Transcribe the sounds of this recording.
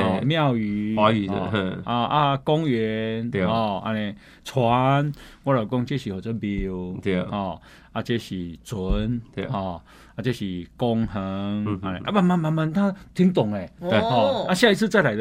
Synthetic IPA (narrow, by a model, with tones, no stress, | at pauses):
ɔ˧˨mj̃ã˥˨wy˧a˧˦˧a˧a˦kɔ˦ŋɥɛ˨˧˦nɔ˨˩a̰˧nẽ˧ | t͡sʰwa˨˦nwa˦ɾa˨˩kɔ˦ŋt͡ɕe˦ɕi˨hɔ˨˩t͡sə˦˧bi˧w̪hɔ˨˩ | a˦t͡ɕe˦ɕi˨˩t͡su˨˦nhɔ˥˨˩ | a˦˧t͡ɕe˦ɕi˨kɔ˦ŋhə˧˦ŋa˧nḛ̃˨ʔa˦ma˧nma˧nmã˧nma˧nt̪ʰã˦t̪ʰi˦ŋt̪ɔ˨˩ŋe˨˩˧hɔ˧˩a˦ɕjã˥˧i˦t͡sʰɨ˥˧t͡sa˥˩ɪla˨ɪd̪